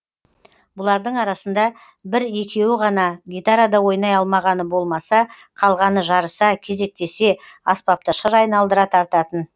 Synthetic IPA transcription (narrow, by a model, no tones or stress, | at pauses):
bʊlˠɑɾd̪əɴɑɾɑsənd̪ɑ | bɪɾje̞kʲe̞wɪʁɑnɑɡʲijt̪aɾad̪ɑwo̞jnɑjɑlˠmɑʁɑnəbo̞lˠmɑsɑ | qʰɑlˠʁɑnəʒɑɾəsɑkʲʰe̞ze̞k̚t̪e̞se̞ | ɑspɑp̚t̪əʃəɾɑjnɑlˠd̪əɾɑt̪ʰɑɾt̪ɑt̪ən